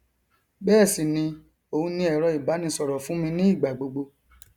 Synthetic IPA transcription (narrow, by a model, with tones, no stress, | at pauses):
bɛː˦˨si˨nĩ˧ | o˨ũ˧˦nĩ˧˦ɛ˨ɾɔ˧i˨ba˨˦nĩ˧sɔ˨ɾɔ˨fũ˨˦mĩ˧nĩ˦i˦˨ɡ͡ba˨ɡ͡bo˧ɡ͡bo˧